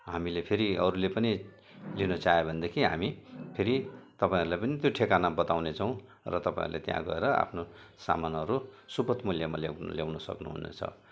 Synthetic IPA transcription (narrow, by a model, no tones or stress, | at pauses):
ɦamilepʰeɾiʌɾulepʌni | linʌt͡saɦebʱʌnd̪ekʰiɦa̰mipʰeɾit̪ʌpaĩʌɾulajpʌnit̪joʈʰekanabʌt̪awnet͡sʰʌw̃ | rʌt̪ʌpã̰ḭ̃rulḛt̪jã̰ɡʌ̰eɾʌa̰pʰnosa̰manʌɾusupʌt̪muljamala̰ljawnʌsʌ̰knuɦṵnḛt͡sʰʌ̰